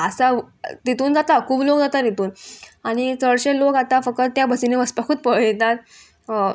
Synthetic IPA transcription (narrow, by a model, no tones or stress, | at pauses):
əsa | t̪it̪uːnd͡zat̪akʰuːplokd͡zat̪ait̪uːnaɽ̃it͡səɭɕelokat̪afək̚t̪ət̪ːjabʱəsineʋəspakʰuːt̪̚pəɭet̪at̪̚